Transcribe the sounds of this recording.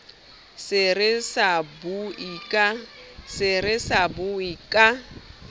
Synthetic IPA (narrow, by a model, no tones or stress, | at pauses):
sɪrɪsabuikʼasɪrɪsabuikʼa